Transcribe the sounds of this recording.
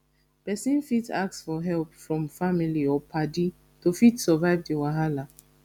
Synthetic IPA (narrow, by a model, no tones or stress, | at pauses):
pɛsĩnfitak̚sfɔɦɛlpfɹɔ̃mfamiliɔpʰadi | tufitsɔvaɪvdiwaɦala